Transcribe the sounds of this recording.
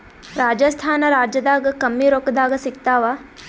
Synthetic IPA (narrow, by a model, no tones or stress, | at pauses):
ɾaːd͡ʒɐst̪ʰaːnɐɾaːd͡ʒjɐd̪aːɡɐkɐmːiɾoːkɐd̪aːɡɐsikt̪aːʋa